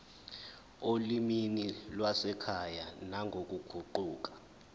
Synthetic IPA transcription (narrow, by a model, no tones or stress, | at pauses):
oliminilwasɛkʰajanaŋʱok̬ʼuɡ̥ʱuǃuːk̬ḁ